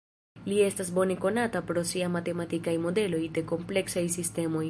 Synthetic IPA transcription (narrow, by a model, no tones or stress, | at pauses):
lie̞stas̬bo̞ne̞ko̞natapɾo̞siamate̞matikajmo̞de̞lo̞jde̞ko̞mple̞ksajsiste̞mo̞j